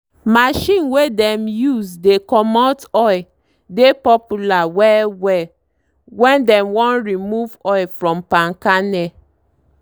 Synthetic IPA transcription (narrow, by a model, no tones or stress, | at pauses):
maʃĩnwedɛ̃mjusdekɔmɔtɔj | depɔpulawɛwɛ | wɛ̃ndɛ̃mwɔ̃nɹimuvɔɪfɹɔ̃mpãnkanɛ